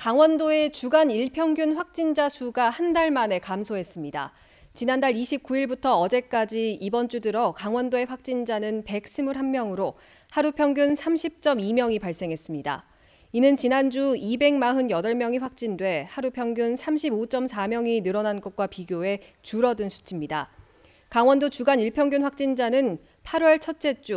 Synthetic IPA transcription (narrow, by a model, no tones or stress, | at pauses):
kaŋwʌndoe̞t͡ɕuɡaniɭpʰjʌŋɡjunɸwak̚t͡ɕ͈ind͡ʑasʰuɡahandaɭmane̞kamsʰoɦe̞s͈ɯmɲida̰ | t͡ɕinandaɭiɕʰip̚k͈uiɭbutʰʌːd͡ʑe̞k͈ad͡ʑiːbʌnt͡ɕ͈udɯɾʌkaŋwʌndoe̞ɸwak̚t͡ɕ͈ind͡ʑanɯnpe̞k̚s͈ɯmuɾɦanmjʌŋɯɾo | haɾupʰjʌŋɡjunsʰamɕʰip̚t͡ɕ͈ʌmimjʌŋipaɭs͈e̞ŋɦe̞s͈ɯmɲida̰ | inɯnt͡ɕinand͡ʑuibe̞ŋmaɦɯnjʌdʌɭmjʌŋiɸwak̚t͡ɕ͈indwe̞haɾupʰjʌŋɡjunsʰamɕʰibot͡ɕ͈ʌmsʰamjʌŋinɯɾʌnanɡʌt̚k͈wapiɡjoe̞ | t͡ɕuɾʌdɯnsʰu̥t͡ɕʰimɲida | kaŋwʌndot͡ɕuɡaniɭpʰjʌŋɡjunɸwak̚t͡ɕ͈ind͡ʑanɯn | pʰaɾwʌɭt͡ɕʰʌt̚t͡ɕ͈e̞t͡ɕ͈u